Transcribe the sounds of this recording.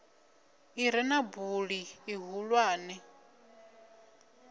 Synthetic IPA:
iɾɛnabuɺiːɦulwaːnɛ

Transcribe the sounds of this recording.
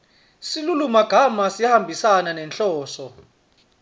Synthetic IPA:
silulumaɡ̥ʱamasijahambʱisananɛnt͡ɬɔːsɔ

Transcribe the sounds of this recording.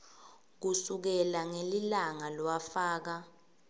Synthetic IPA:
k̬usuk̬ɛlaŋelilaŋalwafaːk̬a

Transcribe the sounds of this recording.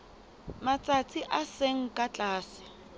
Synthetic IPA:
mat͡sʼat͡sʼʰiʔaseŋ̩kʼat͡ɬʼaːsɪ̥

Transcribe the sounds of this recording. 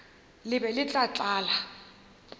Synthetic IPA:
lɪbɛlɪt͡ɬʼat͡ɬʼaːla

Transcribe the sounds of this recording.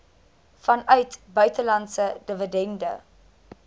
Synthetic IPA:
fɐnœɥtbœɥtəlɐntsədəvədɛndə̰

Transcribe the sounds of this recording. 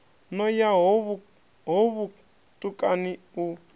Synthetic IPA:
nɔjaɦβ | ɦɔβu | tʼukʼani | u

